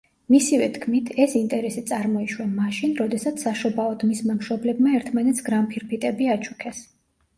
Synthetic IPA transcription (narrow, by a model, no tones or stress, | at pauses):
misivɛt̪ʰkʰmit̪ʰɛsint̪ʼɛɾɛsit̪sʼaɾmɔiʃwɛnmaʃinɾɔd̪ɛsat̪sʰsːaʃɔbaɔd̪mismamʃɾɔblɛbmaɛɾt̪ʰmanɛt̪sʰɡɾampʰiɾpit̪ʼɛbiat͡ʃʰukʰɛs